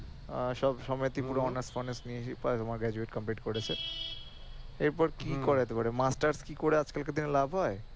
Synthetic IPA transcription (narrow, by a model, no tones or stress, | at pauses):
ʃɔbʃɔmɔjet̪ipuɾoɔnesfonesnieʃipat̪omaɾɡɾɛd͡ʑueʈkɔmpiʈkoɾet͡ɕʰe | eɾpɔɾkikoɾeat̪epaɾemasʈaɾskikoɾead͡ʑkalked̪inelabʱɦɔe